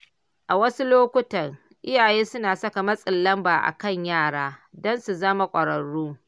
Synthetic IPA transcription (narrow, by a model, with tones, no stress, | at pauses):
ʔa˨wɐ˦su˦loː˦kʷʊ˦tɐ˨r | ʔɪ˦jaː˨jeː˦sʊ˦naː˨sɐ˦ka˨mɐ˦sʼɪ˨lːɐ˦mbaː˨ʔa̰˨kɐ˦˨ɲjaː˦˨ɽaː˦dɔ˦nsu˨zɐ˦ma˨kʷʼɐ˨ɽɐ˨ɽuː˦